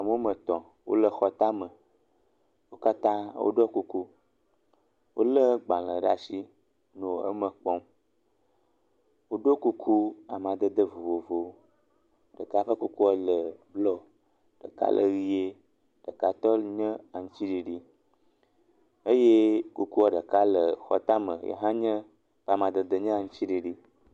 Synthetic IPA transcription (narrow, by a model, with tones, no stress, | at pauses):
a˨m˦o˦mə̃˨t̪ɔ̃˨ | wo̰˦lə˦xɔ˨t̪a˦mə̃˨ | wo˦ka˦t̪ã˦wʔo̰˦ɖɔ˦ku˦ku˦ | wʔo˦lə˦ɡ͡bã˨lə˨ɖa˨si˦ | nõ˨ə̰˦mə˨k͡pɔ̃˦m | wo˦ɖo˦ku˦kʰu˦a˨m˨ã˨d̪ə˦d̪ə˦vo˨vo˨vo˨ | ɖə˨ka˦ɸə˦ku˦ku˦wɔ˦lə˨blɔ˨ | ɖ̥ə̰˨ka̰˦lʔə̰˨ɣi˦je˦ | ɖ̥ə˨ka˨t̪ɔ˦lɲə̃˦a˨ŋũ˦ti˦ɖi˨ɖi˦ | ə˦je˦ku˦ku˦ɔ˨ɖə˨ka˦lə˨xɔ̰˨t̪a˦mə̰˨jḛ˨ɦã˦ɲə̃˦ | ɸa˨mã˨d̪ə˨d̪ə˨ɲə̃˦a˨ŋũ˦ti˦ɖi˨ɖi˦